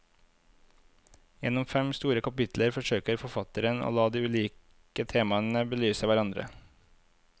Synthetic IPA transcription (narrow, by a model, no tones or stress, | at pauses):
jɛnɔmfɛmst̪uːɾəkʰɑpɪt̪ləɾfɔʃøːkəɾfɔfɑt̪əɾəno̰ːlɑːd̪iːʉliːk | ət̪ʰeːmɑənəbəlyːsəʋæɾɑnd̪ɾə̰